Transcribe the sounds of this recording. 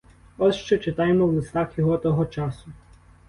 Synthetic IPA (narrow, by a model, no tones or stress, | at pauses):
ɔsʃt͡ʃɛt͡ʃɪt̪ɑjemɔwlˠɪst̪ɑxjɔɦɔt̪ɔɦɔt͡ʃɑsʊ